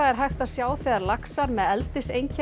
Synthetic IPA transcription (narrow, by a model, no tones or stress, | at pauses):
aɛɾ̥ɦajxt̪aðsjaːwθɛːðaɾlaksaɾmɛðɛlt̪ɪsejɲcʰɛ